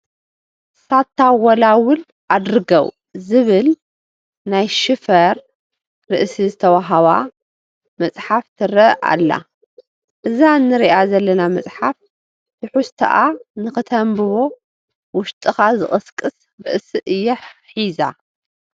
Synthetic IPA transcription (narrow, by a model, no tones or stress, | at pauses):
sat̪ʰːawɔlawʊl | ʔad̪ɾɨɡɐw | zɨβɨl | najʃɨfɐɾ | ɾɨ̰ʔsizɨt̪ʰɐwaɦɐβa | mɐt͡sʼħaft̪ʰɨrɐʔa̰lːa̰ | ʔɨzanːɨɾiʔazɐlːɐnamɐt͡sʼħaf | t̪ʰɨħust̪ʰɐ̰ʔanɨxɨt̪ʰɐmbɨβo̞ | wʊʃt̪ʼɨxazɨχʼɨskʼɨs | bɨʔsiʔɨjːɐħħiza